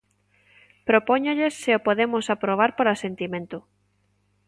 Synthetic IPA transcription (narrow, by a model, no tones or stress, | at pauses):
pɾopoɲʊʎesːeopoðemʊsapɾoβ̞aɾpoɾasent̪imẽnt̪ʊ